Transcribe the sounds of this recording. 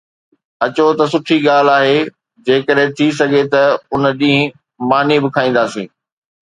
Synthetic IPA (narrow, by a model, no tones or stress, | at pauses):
ɐt͡ɕot̪ɐsʊʈʰiɠaːl̤aːɦe | d͡ʑeːkəɗɦɪ̃t̪ʰis̬ɐɡʱet̪ɐʊnɗĩːɦ | maːnibɪkʰaːĩːn̆d̪aːsĩː